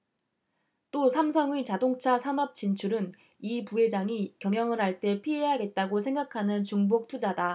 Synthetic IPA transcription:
t͈osʰamsʰʌŋɥit͡ɕadoŋt͡ɕʰasʰanʌp̚t͡ɕ͈int͡ɕʰuɾɯn | ipue̞d͡ʑaŋikjʌŋjʌŋɯɾɦaɭt͈e̞pʰiɦe̞ɦaɡe̞t̚t͈aɡosʰe̞ŋɡakʰanɯnt͡ɕuŋbok̚tʰud͡ʑada

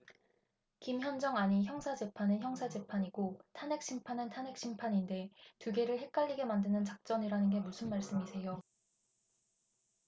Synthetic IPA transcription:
kimçjʌnd͡ʑʌŋaɲiçjʌŋsʰad͡ʑe̞pʰanɯnçjʌŋsʰad͡ʑe̞pʰaɲiɡotʰanɦe̞k̚ɕ͈ʰimpʰanɯntʰane̞k̚ɕ͈ʰimpʰaɲinde̞tuɡe̞ɾɯɭhe̞k̚k͈aʎːiɡe̞mandɯnɯnt͡ɕak̚t͡ɕ͈ʌniɾanɯnɡe̞musʰɯnmaɭs͈ɯmisʰe̞jo

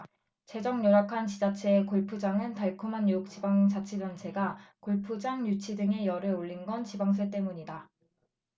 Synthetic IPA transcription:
t͡ɕe̞d͡ʑʌŋɲoɾakʰant͡ɕid͡ʑat͡ɕʰeːkoɭpʰud͡ʑaŋɯntaɭkʰumanjok̚t͡ɕ͈ibaŋt͡ɕat͡ɕʰid͡ʑʌnt͡ɕʰe̞ɡakoɭpʰud͡ʑaŋjut͡ɕʰidɯŋe̞jʌɾɯoʎːinɡʌnt͡ɕibaŋs̬ʰe̞t͈e̞muɲida

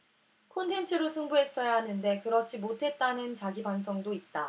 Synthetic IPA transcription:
kʰontʰe̞nt͡ɕʰɯɾosʰuŋbuɦe̞s͈ʌjaɦanɯnde̞kɯɾʌt͡ɕ͈imotʰe̞t̚t͈anɯnt͡ɕaɡibans̬ʰʌŋdoit̚t͈a

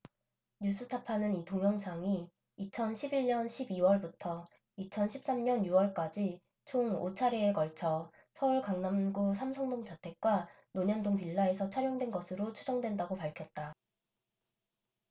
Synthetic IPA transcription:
ɲus͈ʰɯtʰapʰanɯnitoŋjʌŋsʰaŋiː | t͡ɕʰʌnɕʰibiɭɲʌnɕʰibiwʌɭbutʰʌ | it͡ɕʰʌnɕʰip̚s͈amɲʌnjuwʌɭk͈ad͡ʑi | t͡ɕʰoŋo̰t͡ɕʰaɾeːkʌɭt͡ɕʰʌ | sʰʌuɭkaŋnamɡusʰamsʰʌŋdoŋd͡ʑatʰe̞k̚k͈wa | noɲʌndoŋpiɭːae̞sʰʌt͡ɕʰaɾjʌŋdwenɡʌsʰɯɾot͡ɕʰud͡ʑʌŋdwe̞ndaɡopaɭkʰjʌt̚t͈a

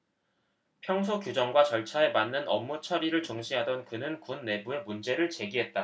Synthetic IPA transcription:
pʰjʌŋs̬ʰokjud͡ʑʌŋɡwat͡ɕʌɭt͡ɕʰae̞manːɯnʌ̰mːut͡ɕʰʌɾiɾɯɭt͡ɕʌŋɕʰiɦadʌnkɯnɯnkunːe̞bue̞mund͡ʑe̞ɾɯɭt͡ɕe̞ɡiɦe̞t̚t͈a

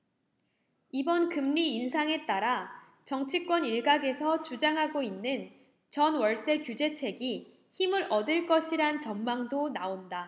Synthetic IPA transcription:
ibʌnkɯmɲiːns̬ʰaŋe̞t͈aɾa | t͡ɕʌŋt͡ɕʰik͈wʌniɭɡaɡe̞sʰʌt͡ɕud͡ʑaŋɦaɡoinːɯn | t͡ɕʌnwʌɭs͈e̞kjud͡ʑe̞t͡ɕʰe̞ɡi | çimɯɾʔʌdɯɭk͈ʌɕʰiɾant͡ɕʌmmaŋdonaonda

